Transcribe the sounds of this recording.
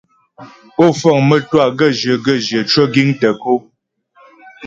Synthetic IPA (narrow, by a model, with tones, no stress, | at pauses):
o˦˨fɔ˦˨ŋmə˦twa˦˨ɡə˦˨ʒə˨ɡə˦˨ʒjə˨t͡ʃə˦ɡi˦ŋtə˨ko˦